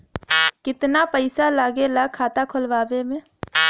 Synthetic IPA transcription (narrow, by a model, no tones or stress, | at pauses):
kɪt̪napəɪsalaːɡelakʰaːt̪akʰʊlʋaːbemẽː